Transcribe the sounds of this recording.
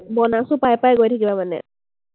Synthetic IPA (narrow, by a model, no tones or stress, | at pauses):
bɔnasupajpajɡojtʰakibamanɛ̰